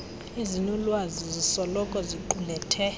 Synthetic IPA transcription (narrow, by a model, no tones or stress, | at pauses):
izinulwazizisɔlɔkʼɔziǃulɛtʰɛ